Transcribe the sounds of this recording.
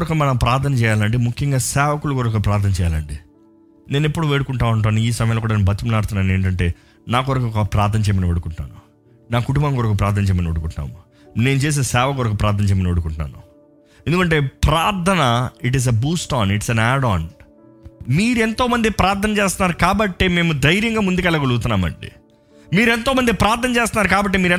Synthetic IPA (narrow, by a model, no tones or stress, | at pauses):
ɾɐkɐmɐnɐmpɾaːɾt̪ʰɐnɐt͡ʃɛːjaːlɐɳɖimukʰjɐŋɡaːsɛːʋɐkulukɔɾɐkɐpɾaːɾt̪ʰɐnɐt͡ʃɛːja̰ːlɐɳɖi | ne̞ːnepːuɽuʋeːɽukuɳʈaːuɳʈ̬aːnuiːsɐmɐjalːkuːɽaːnebʱɐt͡ʃ̪ːɐmlaːɽt̪unːaːneːɳʈɐɳʈe̞̰ː | naːk̬ɔɾɐkɐkɐpɾaːɾt̪ʰɐnɐt͡ʃɛjmɐniʋeɽukuɳʈuna̰ːnu | naːkuʈumbɐŋkɔɾɐkɐpɾaːɾt̪ʰɐnɐt͡ʃɛːjmɐnʋoɽukuɳʈːna̰ːmu | ne̞ːnut͡ʃeːs̬eːsɛːʋɐkɔɾɐkupɾaːɾt̪ʰɐnɐt͡ʃɛjmɐnʋoɽukuɳʈna̰ːnu | end̪ukɐɳʈe̞ːpɾaːɾt̪ʰɐnɐiʈ̬iz̬ebuːsʈaːɳiʈisɐnaːɽaːɳ | miːɾuent̪o̞ːmɐnd̪ipɾaːɾt̪ʰɐnɐt͡ʃeːst̪unːaːɾukaːbɐʈːeːme̞ːmud̪ɐjɾjɐŋɡaːmund̪ukɛlːɐkoluɡt̪unːaːmɐ̰ɳɖḭ | miːɾe̞nt̪oːmɐnd̪ipɾaːɾt̪ʰɐnɐt͡ʃeːst̪unːaːɾukaːbɐʈːemiːɾe